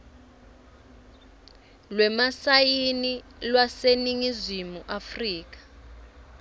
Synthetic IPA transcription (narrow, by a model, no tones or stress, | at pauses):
lwɛmasajini | lwaseniŋizimuʔafriːk̬ḁ